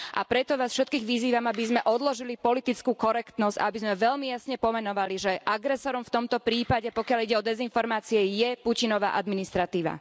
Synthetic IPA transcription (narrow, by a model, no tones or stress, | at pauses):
ʔa̰pɾɛt̪ɔʋaːsfʃɛt̪̚kiːɣʋiziːʋamabizmɛʔɔd̪lɔʒilipɔlit̪it͡skuːkɔɾɛkt̪nɔzɟ̥a̰abizmɛʋɛʎmijasɲɛpɔmɛnɔʋaliʒɛʔaɡɾɛsɔɾɔmft̪ɔmt̪ɔpɾiːpaɟɛpɔkɪaliɟɛɔd̪ɛzinfɔɾmaːt͡siɛjɛpucinɔʋa̰ːʔad̪minist̪ɾat̪iːʋa̰